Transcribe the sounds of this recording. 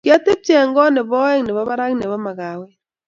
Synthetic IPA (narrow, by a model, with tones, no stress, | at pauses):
kɪ˦a˦te˦p̚t͡ʃɛ˨ŋɡɔ˦nɪ˨bɔ˦ɛ˦ŋnɛ˨bɔ˦ba˦ɾa˦ŋ˦ne˨bɔ˦ma˨ka˨wɛ˦